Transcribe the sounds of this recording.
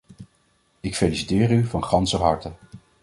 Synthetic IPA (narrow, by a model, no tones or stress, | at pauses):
ɪkfelisitɪːryvɑnχɑnsəɦɑ̰ɹtə